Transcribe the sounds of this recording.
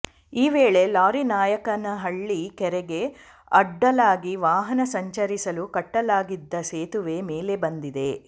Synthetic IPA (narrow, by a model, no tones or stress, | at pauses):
iːʋeːɭe̞laːɾinaːjɐkɐnɐɦɐɭːikɛɾɛɡe̞ | ɐɖːɐlaːɡiʋaːɦɐnɐsɐɲt͡ʃɐɾisɐlukɐʈːɐlaːɡid̪ːɐseːt̪uʋe̞meːle̞bɐnd̪id̪e̞